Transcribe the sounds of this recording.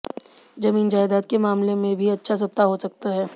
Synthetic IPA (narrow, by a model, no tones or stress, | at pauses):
d͡ʒɐmiːnd͡ʒaːɪd̪aːt̪̚kemaːmlemẽbʱiɐtːʃʰas̬ɐp̚t̪aɦosɐk̚t̪aɦɛː